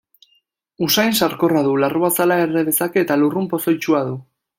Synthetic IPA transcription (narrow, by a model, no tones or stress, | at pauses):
usajnsaɾko̞raðularuasalaereðe̞sake̞ːt̪alurumpo̞so̞jt͡ʃuað̞u